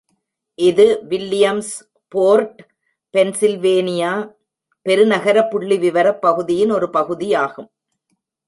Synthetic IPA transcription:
ʔɪðɯʋɪlːɪjɐms | poːɾʈ | pɛnsɪlʋeːnɪjaː | pɛɾɯnɐɣɐɾɐpːʊɭːiʋɪʋɐɾɐpːɐɣɯðɪjɪnɔɾɯpɐɣɯðɪjaːɣɯm

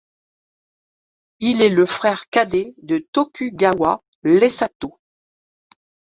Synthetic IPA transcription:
ilɛləfχɛʁkad̪ed̪ət̪ɔkʲʰyɡawa | lɛsat̪o

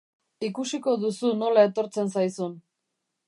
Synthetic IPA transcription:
ikusiko̞ðusuno̞lae̞t̪o̞ɾt͡se̞nsajsun

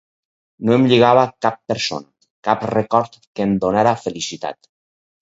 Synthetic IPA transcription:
noemʎiɣaβ̞akapːeɾso̰n | kaprekɔɾt̪ | kemd̪onaɾafelisit̪a̰t̪

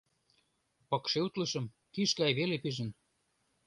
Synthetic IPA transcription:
pɤ̆kʃeut̪lə̆ʃə̆m | kiʃɡɑjβelepiʒə̆n

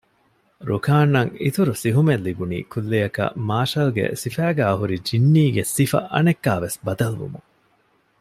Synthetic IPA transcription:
ɾukaːnːɐŋḭt̪uɾusiɦumelːibunḭːkʰulːejɐkɐ̰maːʃɐlɡḛsifæːɡæːɐɦuɾid͡ʒinːiːɡesifɐ̰ʔɐ̰nekːaːʋesbɐd̪ɐlʋṵmuŋ

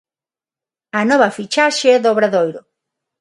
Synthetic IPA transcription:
ɐnɔβɐfit͡ʃaʃeɛðoβɾaðojɾo

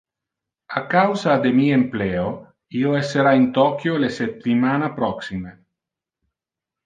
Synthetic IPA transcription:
akawzad̪emiempleo | ioeseɾaint̪ɔkjoleset̪ːimanapɾɔksime

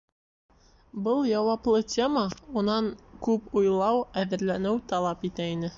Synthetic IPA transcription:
bɤlˠjɑwɑplˠɤtʲʰeməunɑŋkʉpujlˠɑwæðɘ̆ɾlænɘwt̪ɑlˠɑpit̪æinɘ

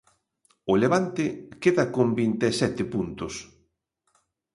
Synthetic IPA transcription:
ʊleβ̞ant̪ɪkeðɐkombint̪esɛt̪ɪpunt̪ʊs

